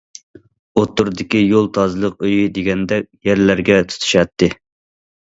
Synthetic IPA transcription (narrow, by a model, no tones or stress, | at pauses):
ot̪ːuɾd̪ɪkʲijolˠt̪ʰɑzlˠəqøjid̪eɡʲɛnd̪ɛkʲjɛɾlæɾɡʲɛt̪ʰu̥t̪ʰu̥ʃɛt̪ʰːɪ